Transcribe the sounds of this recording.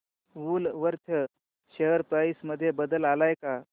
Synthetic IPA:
ʋuːlʋəɾt̪ʰə | ɕəɦəɾpɾaisməd̪ʱːjebəd̪əlalajka

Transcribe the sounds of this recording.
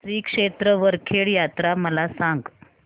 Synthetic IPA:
tɾiːkʂet̪ɾəʋəɾkʰeɭjat̪ɾaməlasãŋɡ

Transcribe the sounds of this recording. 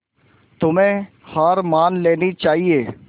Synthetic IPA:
t̪ʊmẽ | haːɾmaːnleːnit͡ʃaːɦieː

